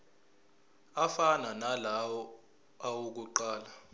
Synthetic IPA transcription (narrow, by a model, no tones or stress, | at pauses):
afananalawɔ | awuk̬uǃaːla